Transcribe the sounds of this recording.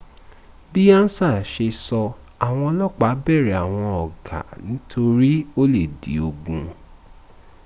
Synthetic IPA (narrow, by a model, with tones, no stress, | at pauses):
bi˦ã˦n̩˦sa˦˨ʃe˧sɔ˧ | a˨w̃ɔ̃˧ɔ˧˦lɔ˦k͡pa˨˦bɛ˦˨ɾɛ˨a˨w̃ɔ̃˧ɔ˨ɡa̰˨nĩ˨˦tʰo˧ɾi˦o˦le˦˨dḭ˨o˧ɡũ˧